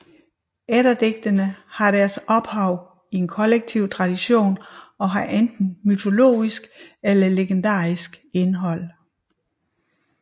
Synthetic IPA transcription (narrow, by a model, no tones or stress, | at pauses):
eɾɐd̥eɡ̥d̥ənəhɑ̈ɾ̥æɐsɒ̽b̥hɑ̈ʊ̰ | ie̝nkʰɒ̽leɡ̥̚t͡sʰiʊ̰t͡sʰʁɑ̈d̥iɕo̝̰ːnɒ̽ɦɑ̈ʔend̥n̩myt͡sʰo̝lo̝̰ːisɡ̥elɐle̝ɡ̥end̥ɑ̰̈ːisɡ̥e̝nɦɒ̽l̰